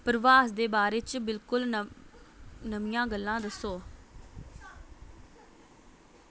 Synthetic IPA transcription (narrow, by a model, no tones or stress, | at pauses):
pəɾʋaːsd̪eːbaːɾeːt͡ʃbɪlkʊl | nəmijãːɡəlːãːd̪əsːoː